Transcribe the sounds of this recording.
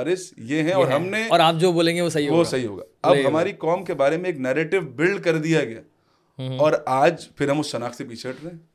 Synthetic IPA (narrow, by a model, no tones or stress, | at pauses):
aɾɪsjeɦɛ̃ɔɔːɾɦɐmneɔːɾaːp̚d͡ʒoːboːlẽːŋɡeʋosɐɦiɦoʋosɐɦiɦo̰ːɡa̰ːɐbɦɐmaːɾikɔːmkebaːɾemẽeːknɛːɾeːʈɪʋbɪlɖkɐɾd̪ijaɡɐja̰ː | ɔːɾaːd͡ʒfɪɾɦɐ̃mʊsʃɐnaːksep̬iːt͡ʃʰeʈɾɛɦɛ̃ː